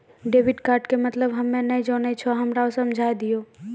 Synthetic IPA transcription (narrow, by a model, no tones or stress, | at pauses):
ɖeːʋɪɖkaːɾʈkemɐt̪ləbɦɐmːẽned͡ʒoːnet͡ʃʰoɦɐmɾaosɐmd͡ʒʱaːjd̪ijoː